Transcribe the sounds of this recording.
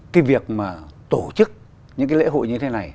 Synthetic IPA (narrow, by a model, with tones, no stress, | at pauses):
kaː˨˦jvi˨˩ək̚maː˨˩t̪o˧˩t͡ɕɨ˦˥k̚ | ɲɨ̰˧˥ŋkaː˨˦lḛ˧˥ɦo̰˧˨jɲɨ˧t̪ʰe˨˦na˨˩j